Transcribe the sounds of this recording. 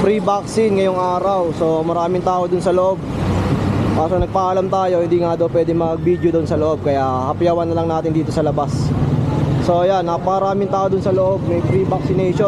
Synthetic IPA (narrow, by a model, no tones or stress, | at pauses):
pɾibaksɪnŋɐjoŋʔaːɾɐwso̞mɐɾaːmɪŋt̪aːʔod̪ʊnsɐloʔo̞b̚ | ʔaːsonɐɡ̚pɐʔalamt̪aːjo̞hɪnd̪iːŋad̪ɐwpwɛːd̪ɪŋmɐɡ̚biːd̪jod̪ʊnsɐloʔo̞b̚kɐjahɐpɪjawɐnːɐlɐŋnaːt̪ɪnd̪iːt̪osɐlɐbas | so̞ɐjanːɐpɐkɐɾaːmɪŋt̪aːʔod̪ʊnsɐloʔo̞b̚mɐjpɾibɐk̚sɪnɛjʃo